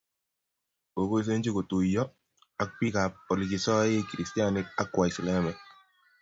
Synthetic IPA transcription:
o˨ko˦i˦s̬e˦nt͡ʃi˦ko˨tu˨jɔ˦ | a˦k̚pi˦ka˨p̚ɔ˨li˨ki˨sɔ˦je˦kɾi˨sti˦a˦nɪ˦k̚a˦kːwa˨ɪ˨slɛ˦mɛ˨k̚

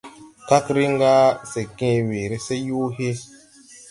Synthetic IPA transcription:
ka˦kɾi˦ŋ˦ɡa˦se˨kẽ˦weː˨ɾe˦se˦ju˦ɦe˦

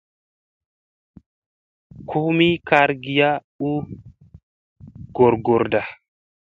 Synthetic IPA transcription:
kʰu˦mi˦ka˦ɾɡi˨ja˦ | u˦ | ɡ̥ɔ˨ɾɡɔ˨ɾda˨

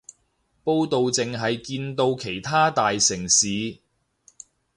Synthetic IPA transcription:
po˧wt̪o˨wt͡sɪ˨ŋɦɐ˨jkiː˧nt̪o˧wkʰe˨˩jt̪ʰaː˥t̪aː˨jsɪ˨˩ŋsiː˨˧

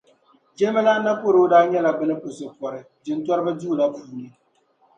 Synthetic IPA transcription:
d͡ʒɛ˦ma˦la˦na˦po˦ɾo˦daː˦ɲɛ˦la˨bɨ˦nɨ˦pʊ˨sɨ˨pɔ˨ɾɨ˨ | d͡ʒɨ˨ntwɔ˦ɾɨ˦ba˦d͡ʒuː˦˨la˦puː˨nɨ˦

